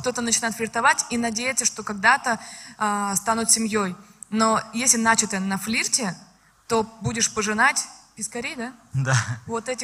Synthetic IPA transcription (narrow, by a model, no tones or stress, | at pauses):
kt̪o̞t̪ənət͡ɕɪnajɪt̪flʲɪrt̪ɐvatʲinɐdʲejɪt̪səʂt̪o̞kɐɡd̪at̪əast̪anʊt̪sʲɪmʲjojno̞jesʲlʲɪnat͡ɕɪt̪ənɐflʲirtʲɪ | t̪o̞budʲɪʂpəʐɨnatʲpʲɪskɐɾʲejd̪ad̪avo̞t̪ɛtʲɪ